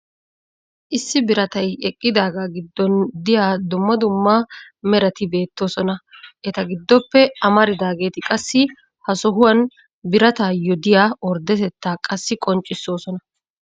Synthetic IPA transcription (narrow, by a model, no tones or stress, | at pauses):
ʔɪsːɪbɪɾɐt̪ɐjɛkʼːɪd̪aːɡaɡɪd̪ːɔnd̪ɪjaːd̪ʊmːɐd̪ʊmːa | mɛɾɐt̪ɪbe̞ːt̪ːo̞ːsɔnɐʔɛt̪ɐɡɪd̪ːɔpːɛɐmɐɾɪd̪aːɡe̞ːt̪ɪkʼɐsːɪ | hɐsɔɦʊwɐn | bɪɾɐt̪aːjɔd̪ɪjaːɔɾd̪ɛt̪ɛt̪ːaːkʼɐsːɪkʼɔnt͡ʃʼːɪsːo̞ːsɔnɐ